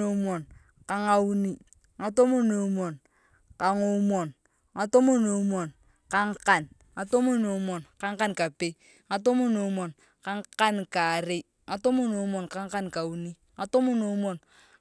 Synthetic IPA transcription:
o˨˦mɔ˨n | ka˦ŋa˦u˦ni˦ | ŋa˨to˦mo˦no˨˦mɔ˨n | ka˨ŋo˦mɔ˨n | ŋa˨to˦mo˦no˨˦mɔ˨n | ka˦ŋ˦ka˨n | ŋa˨to˦mo˦no˨˦mɔ˨nka˦ŋ˦ka˦nka˨pe˦ | ŋa˨to˦mo˦no˨˦mɔ˨n | ka˦ŋ˦ka˦nka˨ɾe˦ | ŋa˨to˦mo˦no˨u˦mɔ˨nka˦ŋ˦ka˦nka˨u˨˦ni˦ | ŋa˨to˦mo˦no˨˦mɔ˨n

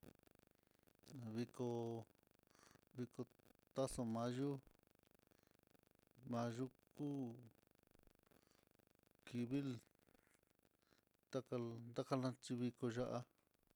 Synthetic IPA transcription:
βi˧ko˧ | βi˧ko˧t̪a˦so˧mã˧ʒu˦ | mã˧ʒu˦kuː˦ | ki˧βi˦l | d̪̥a˦ka˧nd̪a˦ka˧lã˧t͡ʃi˧βi˧ko˧ʒa˧ʔa˧

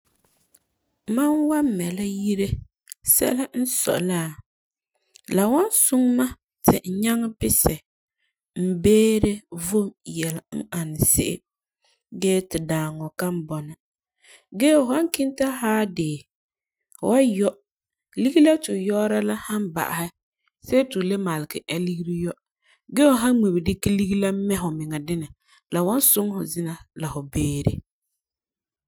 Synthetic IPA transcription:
ma˦nwa˦mːɛ˨la˦ji˦ɾe˦ | sɛ̰˦la˦n̩˦sɔ̰˨ʔlaː˦˨ | la˨wa˦n˦sʊ˦ŋma˦ | tɪ̰˨ɲa˦ŋ˦bɪ˦sɪ˨ | m̩˨beː˦ɾe˦vo˦jɛ˨la˨ŋ̩˦a˨n˨sɪ̰˦ʔɪ̰˦ | ɡɛː˦tɪ˨daː˨ŋɔ˨ka˦m˦bɔ˨nɪ˨ | ɡɛ˦ʊ˨ha˦ŋkɪ˦nta˦haː˦dɪː˨ | hʊ̰˨wa˦jɔ˦ | li˦ɡi˦la˦tʊ˨jɔː˦ɾa˦la˦ha˦nba̰˨ʔa̰˨hɪ˦ | se˦tʊ˨le˦ma˨lɪ˨kɪ̰˨ʔa˦li˦ɡi˦ɾi˦jɔ˦ | ɡɛː˦hʊ˨ɦa˦me˨bi˨dɪ˦ki˦li˦ɡi˦la˦mɛ˦ɦʊ˨mɪ˨ŋɛ˨dɪ˦nɪ˨ | la˨wɔ˦nsʊ˦ŋhʊ˨zɪ˦na˨la˨hʊ˨beː˦ɾḛ˦

